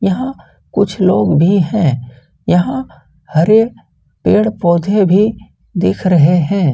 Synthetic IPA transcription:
jɐɦã | kʊt͡ʃʰloːɡbʱiɦɛ̃ː | jɐɦã | hɐɾe | peːɽpɔːd̪ʱebʱi | d̪ɪːkʰɾɐɦeɦɛ̃ː

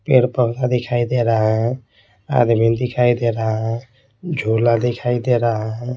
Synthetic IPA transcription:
peɾpəbnad̪ɪkʰaid̪eɾaɦã | a̰d̪mind̪ɪkʰaid̪eɾaɦã | d͡ʒʱolad̪ekʰaid̪eɾaɦã

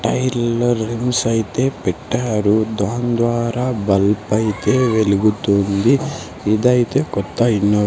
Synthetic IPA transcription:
ʈɐjɾlːɐːɾːimsɐjt̪e̞ːpɛʈːaːɾud̪aːnd̪ʋaːɾaːbɐlpɐjt̪e̞ːʋe̞luɡut̪und̪i | id̪ɐjt̪e̞ːkɔt̪ːɐinːoː

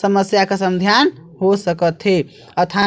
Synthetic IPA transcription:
səməsjakesəmd̪ʱjanɦosəkət̪ɦe | ət̪ʰa

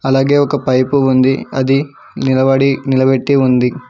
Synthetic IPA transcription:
ɐlaːɡeːɔkːɐpɐjpuund̪iɐ̰d̪i | nilɐʋaːɽinilɐʋeʈːiund̪i

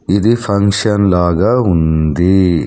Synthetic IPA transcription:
id̪ipʰɐŋkʃɐnlaːɡɐɦund̪i

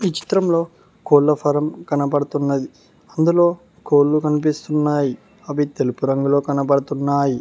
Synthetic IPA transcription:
iːt͡ʃi̥t̪ɾɐmlo̞ː | koːɭːɐpʰɐɾɐmkɐnɐpɐɽɐt̪unːɐd̪i | ɐnd̪ulo̞ː | koːlːukɐnip̬ist̪unːaːji | ɐʋit̪e̞lupuɾɐŋɡulo̞ːkɐnɐp̬ɐɽɐt̪unːaːji

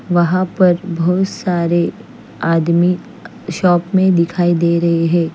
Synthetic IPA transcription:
ʋɐɦãpɐɾbɔːt̪saːɾe | aːd̪mi | ʃɔːpmẽd̪ɪkʰaːid̪eːɾɐɦeɦɛ̃ː

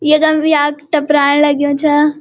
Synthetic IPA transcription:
jeɡɐmbiaːkʈɐpɾaːnlɐɡijõːt͡ʃʰa

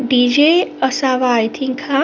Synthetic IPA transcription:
ɖid͡ʒeəsaʋaːjt̪ʰiŋkʰa

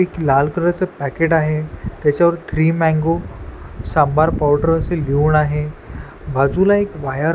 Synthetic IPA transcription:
eklalkəɾat͡səpækeʈaɦet̪jat͡ɕjaʋəɾt̪ʰɾiːmɛ̃ŋɡo | sãmbaɾpawɖəɾəseliuɳaɦe | bʱad͡zulaekʋajə

